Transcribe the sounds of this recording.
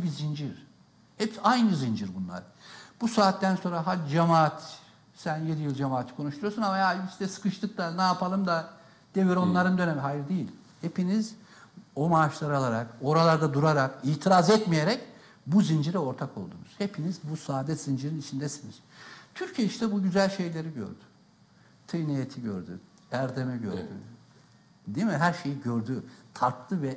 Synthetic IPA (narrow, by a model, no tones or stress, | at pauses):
bizind͡ʒiɾ̥ | hɛpajnɯzind͡ʒiɾbunlˠa̰ɾ | b̥usaːt̪ːænso̞nɾaɦad͡ʒamaːt̪ | sænje̞d̪ijɯlˠd͡ʒamaːt̪ʰkʰo̞nuʃt̪ujosunamajaisd̪ɛsɯ̥kʰɯʃt̪ʰɯk̚t̪anajapʰalˠɯmd̪a | d̪̥e̞viɾo̞nlˠaɾɯnd̪ø̞nemɛɦajɾd̪ejilʲ | hepiniz | o̞maːʃlˠaɾalˠaɾako̞ɾalˠaɾd̪ad̪uɾaɾakiːt̪ʰiɾazɛt̪mije̞ɾɛc | buzind͡ʒiɾɛo̞ɾt̪ʰakʰo̞lˠd̪unuz̥hepʰinizbusaːd̪ɛz̥ind͡ʒiɾinit͡ʃʰind̪ɛsiniz̥t̪ʰyɾcʰijeiʃt̪ɛbuɟyzælʲʃe̞jlʲe̞ɾiɟø̰ɾd̪̥y̥ | t̪ʰɯjnijet̪ʰiɟø̰ɾd̪y̰ | æɾd̪e̞mɛɟø̰ɾd̪y̰ | d̪imiɦæɾʃe̞jiɟøɾd̪yt̪ʰaɾklˠɯvɛ